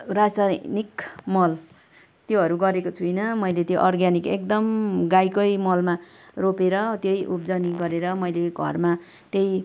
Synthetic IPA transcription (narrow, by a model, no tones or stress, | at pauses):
rasanikmʌl | t̪joɦʌɾuɡʌɾekot͡sʰujnʌmʌjlet̪joʔʌrɡjanikek̚d̪ʌmɡajkʌjmʌlma | ropeɾʌt̪jʌjʔup̚d͡zʌniɡʌɾeɾʌmʌjleɡʱʌ̰rma | t̪jej